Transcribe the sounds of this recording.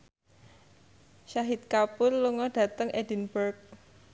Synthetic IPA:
ʃaɦit̪̚kapʊrluŋɔɖ̥ä̤t̪əŋʔedi̤nbərk̚

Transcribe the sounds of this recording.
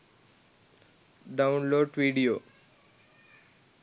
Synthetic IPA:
ɖaʊnloːɖʋiːɖijoː

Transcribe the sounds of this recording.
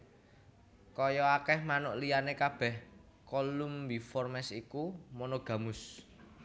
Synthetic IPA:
kɔjɔakɛhmanʊʔlijanekab̥ɛh | kɔlumbifɔrmɛsikumɔnɔɡ̥ä̤mʊs

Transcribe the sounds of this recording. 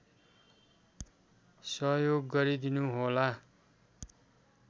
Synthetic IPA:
sʌɦjoɡːʌɾid̪inuɦola

